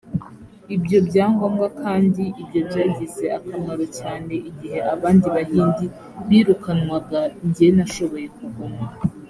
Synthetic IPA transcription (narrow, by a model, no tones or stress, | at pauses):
ibjo̞bɟaːŋɡomɡwakaːndiʔibjo̞bjaːɟize̞akamaɾocaːne̞ʔiɟihe̞ʔaβaːndiβahiːndi | βiːɾukanwaɡaiɲɟijenaʃo̞βo̞je̞kuɡoma